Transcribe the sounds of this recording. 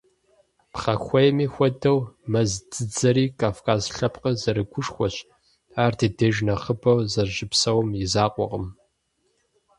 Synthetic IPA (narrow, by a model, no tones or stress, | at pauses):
pχɐxʷɔjmiːxʷɔdɐwmɐzdɨd͡zɐɾiːkʰʼaːfkʰaːzɬɐpqəzɐɾɨɡʷʊʂxʷɔɕ | aːrdʰɨdɐʒnɐχəbɐwzɐʒɪpsɐwmjɪzaːqʷʼɔ̰ʁəm